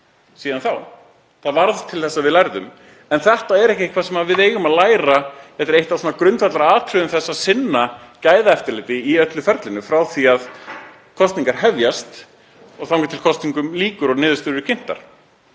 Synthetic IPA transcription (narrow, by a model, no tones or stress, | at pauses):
siːðanθaw | θaðvaɾðt̪ʰɪlθɛsːaːvɪðlajɾðʏm | ɛnθɛht̪aɛɾɛhcɪkʰvaːsɛmavɪðeːjɣʏmaðlaːjɾaθɛt̪ɪɾejht̪asuːnakɾʏnt̪fat̪laɾaaːðk̪ʰɾʏðʏmθɛsːaðsɪnːacaːjðaɛft̪ɪɾlɪt̪ɪiœt̪lʏfɛɾt̪lɪnʏfɾawθiað | kʰɔst̪niŋkaɾ̥hɛvjast̪ | ɔɣθawŋkʏ̥t̪ʰɪlkʰɔst̪niŋkʏmliːkʏɾɔɣnɪːðʏst̪ʏɾɪ̥cʰɪn̥t̪a̰ɾ̥